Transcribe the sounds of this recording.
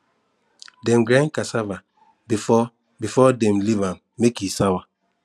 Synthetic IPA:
dɛ̃mɡɾãnkasava | bifɔ | bifɔdɛ̃mlivãn | mekjisawa

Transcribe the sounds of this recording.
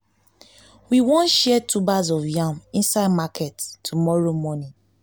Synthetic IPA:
wiwɔ̃nʃɛɛtʰubazɔvjãmĩnsaɪdmakʰɛttʰːumɔɹomɔnĩ

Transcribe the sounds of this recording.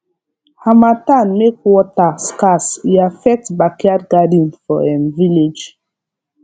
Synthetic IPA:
hamatanmekwɔtaskasiafɛk̚tbakiadɡadĩnfɔɛ̃nviled͡ʒ

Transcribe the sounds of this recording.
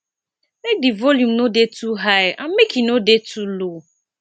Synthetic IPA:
mek̚divɔljumnodetuɦajã̰mmekinodetʰulo

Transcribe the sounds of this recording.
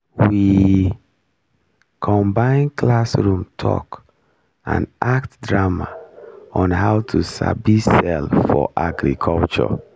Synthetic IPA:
wi | kʰɔ̃mbãɪ̃nkʰlasɹũmtʰɔ̰k | ã̰naktdɹamaɔ̃nɦaʊtʰusa̰bisɛlfɔ̰ʔaɡɾḭkʰɔlt͡ʃɔ̰

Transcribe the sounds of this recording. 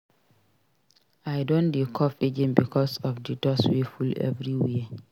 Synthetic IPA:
ajdõndikʰɔfid͡ʒɛ̃nbikʰɔsɔfdidɔswifulɛ̰vɹiwiə

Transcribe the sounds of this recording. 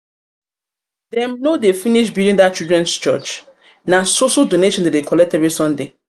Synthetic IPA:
dɛ̃mnodefiniʃbiɾĩndat̚t͡ʃudɹɛ̃nst͡ʃɔ̰t͡ʃ | nasoʃaldoneʃɔ̃ndadekʰɔlɛk̚tɛvɹisɔ̃nde

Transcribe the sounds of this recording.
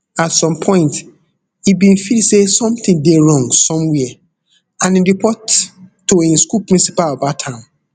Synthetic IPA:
atsɔ̃mpʰɔ̃ɪ̃nt | ibĩnfilsesɔ̃mt̪ĩŋdeɹɔ̃ŋɡsɔ̃mwɛɛ | ãnĩɹipʰɔtː | oĩnskulpɹĩnsipalabatʰãn

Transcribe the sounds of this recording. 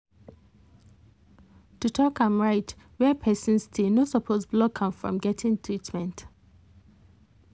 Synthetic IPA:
tutʰɔkãmɹaɪt | wɛpʰɛsə̃nstʰenosɔpʰozblɔkʰãmfɹɔ̰̃mɡɛtʰɪ̃ŋtʰɹitmɛ̃nt

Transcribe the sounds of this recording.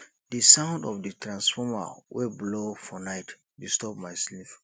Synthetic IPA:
dəsãʊ̃ndɔfdətʰɹãnsfɔma̰wʔeblofɔnaɪt | distɔp̚majslif

